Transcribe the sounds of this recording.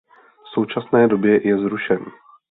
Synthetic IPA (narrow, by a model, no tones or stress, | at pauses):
fso̞wt͡ʃasnɛːdo̞bjɛjɛzɾuʃɛniː